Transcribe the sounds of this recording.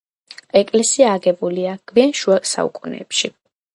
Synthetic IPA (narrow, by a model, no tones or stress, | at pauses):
ɛkʼlɛsiaːɡɛbuliaɡ̥vianʃuasa̰ṵkʼunɛ̰ːpʃi